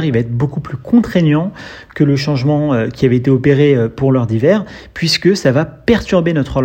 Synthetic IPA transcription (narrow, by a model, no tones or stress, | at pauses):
ʁilvaɛt̪χəbokuplykʰɔ̃t̪χeɲjɑ̃ | kələʃɑ̃ʒmɑ̃økʲiavɛet̪eopeʁeøpuʁlœʁd̪ivɛːʁ | pɥiskəsavapɛʁt̪yʁbenɔt̪χə